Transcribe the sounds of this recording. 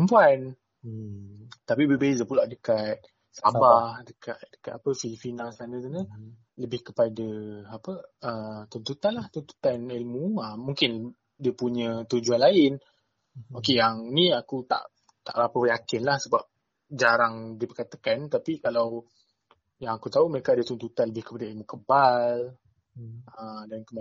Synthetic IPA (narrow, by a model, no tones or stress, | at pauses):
əmpuan | t̪apibəbezəpulaʔdəkat̪̚ | sabbahdəkʰat̪̚dəkat̪apəfifinalsanə̃s̬anə̃ | ləbɪhkəpadaapəət̪unt̪ut̪anlaht̪unt̪u̥t̪anilmuəmːuŋkɪn | diəpuɲə̃t̪ud͡ʒuanlaɪn | okejaŋnĩakut̪a̰ʔ | t̪a̰ʔɾapəjakɪnlahsəbap̚ | d͡ʒaɾaŋdipəkat̪akant̪apikalaw | jaŋakut̪auməɾekaːdət̪unt̪ut̪anləbɪhkə̥padailmukəbal | ədankəma